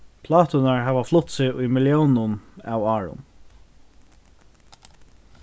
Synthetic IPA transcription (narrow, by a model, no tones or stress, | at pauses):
pʰlɑːt̪ʊnaɹɦæːʋaflʊt̪sɪʊjmɪljownʊna̰wɑːɹʊ̰n